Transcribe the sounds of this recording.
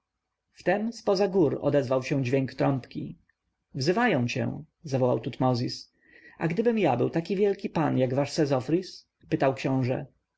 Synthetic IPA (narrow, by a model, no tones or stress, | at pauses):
ft̪ɛmspɔzaɡuɾɔ̰d̪ɛzvawɕɛ̃d͡ʑvʲɛŋkt̪ɾɔmpkʲḭ | vzɘvajɔ̃w̃t͡ɕɛ̰̃ | zavɔwa̰wt̪ut̪mɔzʲis | ʔaɡd̪ɘbɘmjabɘwt̪akʲivʲjɛlkʲipanjaɡvaʂsɛzɔfɾis | pɘt̪awkɕɔ̃w̃ʐɛ̰